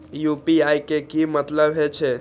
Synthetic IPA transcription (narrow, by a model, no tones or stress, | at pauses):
jupiajkekimət̪ləbɦet͡ʃʰɛ